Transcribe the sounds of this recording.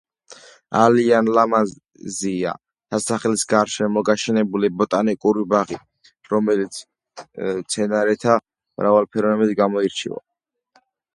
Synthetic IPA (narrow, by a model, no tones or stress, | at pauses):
a̰lianlaman | zia̰ | t̪ʰasaχɛlisɡaɾʃɛmɔɡaʃɛnɛbulibɔt̪ʼanikʼuɾibaʁi | ɾɔmɛlit̪sʰ | t̪sʰɛnaɾɛt̪ʰa | mɾavalˠpʰɛɾɔnɛmid̪ɡamɔiɾt͡ʃʰḭva̰